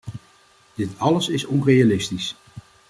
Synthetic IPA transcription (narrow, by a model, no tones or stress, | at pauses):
d̥ɪtɑləsɪsɔnrejalɪstis